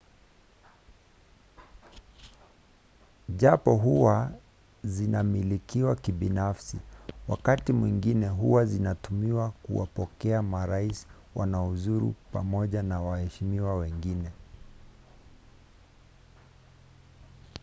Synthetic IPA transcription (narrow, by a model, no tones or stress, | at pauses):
ʄapɔɦuwa | zinamilikiwakiɓinafsiwakatimwiŋɡinɛɦuwazinatumiwakuwa̰pɔkɛamaɾaisi̥ | wanauzuɾṵpamɔʄanawahɛʃimiwawɛŋɡinɛ